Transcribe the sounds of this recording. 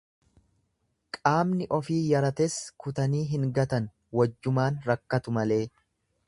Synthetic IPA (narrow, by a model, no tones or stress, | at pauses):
kʼaːmnɪʔɔfiːjɐɾɐt̪ɛskʊt̪ɐniːɦɪŋɡɐt̪ɐn | wɐd͡ʒːʊmaːnɾɐkːɐt̪ʊmɐle̞ː